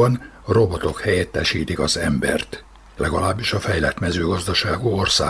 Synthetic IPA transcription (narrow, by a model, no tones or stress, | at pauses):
ɒn | ro̞bot̪o̞khɛjɛt̪ːɛʃiːt̪ikɒzɛmbɛ̰rt̪ | lɛɡɒlaːbːiʃɒfɛjlɛt̪mɛzøːɡɒzd̪ɒʃaːɡuorsa̰ː